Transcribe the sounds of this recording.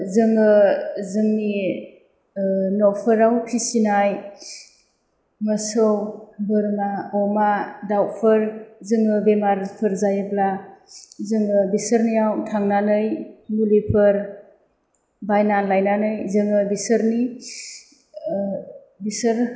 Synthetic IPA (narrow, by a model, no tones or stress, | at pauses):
zɯŋɯzɯŋni | nɔwpʰɯɾawpʰisinaj | mɯsɔwbɯɾmaɔmadawpʰɯɾzɯŋɯbemaɾpʰɯɾzajɯbla | zɯŋɯbisəɾnijawtʰaŋnanɯjmulipʰɯɾ | bajnanlajnanɯjzɯŋɯbisəɾni | bisəɾ